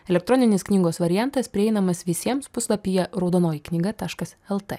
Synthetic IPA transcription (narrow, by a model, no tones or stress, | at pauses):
ɛlʲɛkt̪ɾɔnʲɪnʲɪsknʲiːɡoːsʋɐɾʲɪjænt̪ɐspʲɾʲɪɛɪnɐmɐsʋʲɪsʲiɛmspʊslˠɐpʲijɛɾɐʊd̪oːnoːjɪknʲɪɡɐt̪ɑːʃkɐsɛlˠt̪ḛ